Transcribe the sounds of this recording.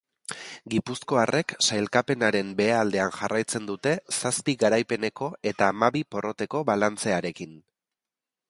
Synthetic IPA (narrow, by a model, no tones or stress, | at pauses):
ɡipusko̞arʔe̞ksajlkape̞naɾe̞mbe̞ald̪e̞anʝarʔajt͡se̞nd̪ut̪e̞saspiɣaɾajpe̞ne̞ko̞ʔe̞t̪aːmaβipo̞ro̞t̪e̞ko̞βalant͡se̞aɾe̞kin